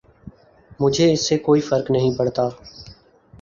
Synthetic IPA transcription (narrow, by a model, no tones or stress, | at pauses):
mʊd͡ʒʱeɪsːekoːifəɾknəɦĩːpəɽt̪aː